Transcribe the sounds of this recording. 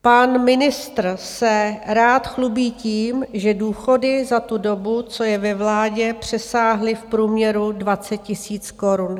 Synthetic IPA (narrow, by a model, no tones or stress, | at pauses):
panmɪnɪst̪r̩sɛɾaːt̪xlubiːciːmʒɛduːxo̞dɪzat̪udo̞but͡so̞jɛvɛvlaːɟɛpr̝̥ɛsaːɦlɪfpɾuːmɲɛɾudvat͡sɛt̪̚cɪsiːt͡sko̞ɾun